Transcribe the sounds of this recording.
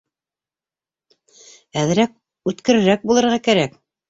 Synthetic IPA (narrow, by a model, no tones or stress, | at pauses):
æðɘ̆ɾæk̚ | ʉt̪kɘ̆ɾɘ̆ɾæk̚bulˠɤ̆ɾʁɑkæɾæk